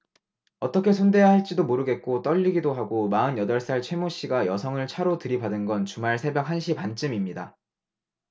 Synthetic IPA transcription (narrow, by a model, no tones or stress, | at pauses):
ʌt͈ʌkʰe̞sʰonde̞jaɦaɭt͡ɕ͈idomoɾɯɡe̞t̚k͈ot͈ʌʎːiɡidoɦaɡomaɯnjʌdʌɭs͈aɭt͡ɕʰwe̞moɕ͈iɡajʌsʰʌŋɯɭt͡ɕʰaɾotɯɾibadɯnɡʌnt͡ɕumaɭsʰe̞bjʌk̚ɦanɕ̬ʰipant͡ɕ͈ɯmimɲida